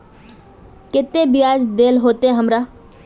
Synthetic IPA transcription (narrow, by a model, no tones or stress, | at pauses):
kɪt̪ːebiaːd͡ʒd̪eːlɦoːt̪eɛ̃ɦəmɾaː